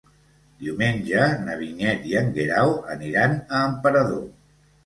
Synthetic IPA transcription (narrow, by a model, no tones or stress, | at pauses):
d̪̥iwmenʲd͡ʒənəβiɲɛt̪iəŋɡeɾawəniɾanəːmpəɾəðo